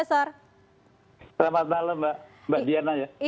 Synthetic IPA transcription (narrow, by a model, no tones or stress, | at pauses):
asɔr | səlamat̪̚naləmbaʔmbaʔdianad͡ʒa